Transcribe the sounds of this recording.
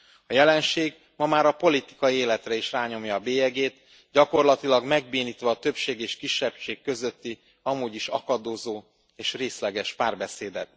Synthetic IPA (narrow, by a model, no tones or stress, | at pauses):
ɒjɛlɛnʃeːɡ | mɒmaːɾɒpo̞lit̪i̥kɒjieːlɛt̪rɛiʃraːɲo̞mjɒːbeːɛɡeːt̪ | ɟɒko̞rlɒt̪ilɒɡmɛɡbeːniːt̪ʋɒːt̪ø̞pʃeːɡeːʃkiʃːɛpʃeːkːø̞zø̞t̪ːi | ɒmuːɟiʃɒ̰kɒd̪oːzoː | eːʃreːslɛɡɛʃpaːrbɛseːd̪ɛt̪̚